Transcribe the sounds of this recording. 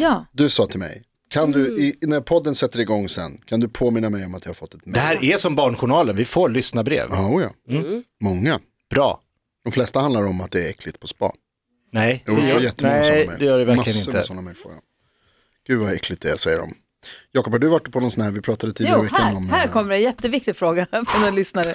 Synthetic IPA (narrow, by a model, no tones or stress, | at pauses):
jɑd̪ɵsɑːt̪ʰɪlmɛ̰j | kʰand̪ɵɪnæɾpʰɔd̪ːənsɛt̪ːəɾɪɡɔŋːsɛ̰nːkʰand̪ɵpʰoːmɪnːamɛjɔmat̪̚d̪ɪhaɾfɔt̪ːɛt̪mɛɛhæːɾʔɛsɔmbɑːɳɧʊɳɑːlənvɪfoːɾɭʏsnabɾḛːvɑuːjɑ̰ːmɔŋːa | b̥ɾɑ̰ː | d̪̥ɔmflɛst̪ahand̪laɾɔmat̪̚d̪ɛːɾɛkʰːlɪɡ̚t̪̚pʰɔspɑ̰ː | nɛɪuɛjjɛt̪ːnɛmɛd̪ɛjœːɖɛvæɾlɪɡənɪnəsɔnːamɛfɾo̰ːɡa̰ | ɡ̥ʉ̟ːvaɛkʰːlɪɡ̚t̪̚d̪ɛːsɛjːəɖɔ̰m | jɑːkɔphad̪ɵvaʈːpʰɔnɔnsɔnhæːɾvɪpʰɾɑːt̪ad̪ət̪ʰiːd̪aːɾɾvɛhkːanɔmhæːɾkʰɔmːəɾɛnjɛt̪ːəvɪk̚t̪ɪɡfɾoːɡafɾɔnɛlʏsnaɾə